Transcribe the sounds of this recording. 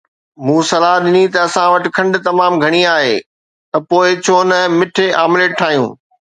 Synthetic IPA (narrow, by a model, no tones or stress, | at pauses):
mũːsɐlaɗɪnit̪ɐːsãʋɐʈɪ̆kʰɐ̃ɳɖʊ̆t̪ɐmaːmɡʱɐɽ̃iaːɦḛː | t̪ɐpoːɪt͡ɕʰoːnɐmɪʈʰeʔaːmɪleʈʰaːɦijṵ̃ː